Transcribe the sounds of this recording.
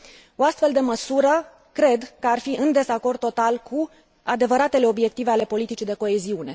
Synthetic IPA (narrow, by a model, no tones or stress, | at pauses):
o̞ast̪fe̞ld̪e̞məsuɾə | kɾe̞d̪kəarfiʔɨnd̪e̞zako̞rd̪̚t̪ːo̞t̪alkʰu | ad̪e̞vəɾat̪e̞le̞o̞bje̞k̚t̪ive̞ale̞po̞lit̪it͡ʃid̪e̞ko̞e̞ziune̞